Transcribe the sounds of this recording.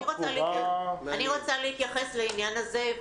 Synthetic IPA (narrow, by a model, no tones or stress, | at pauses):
iʁot͡salianiʁo̞t͡saliit̪jaχesleinjanaze̞